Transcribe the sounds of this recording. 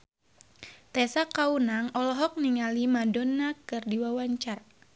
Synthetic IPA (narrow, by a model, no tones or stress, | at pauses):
t̪ɛsakaunaŋɔlɔɦɔk̚niŋalimadɔnːakɨrdiwawaɲt͡ʃar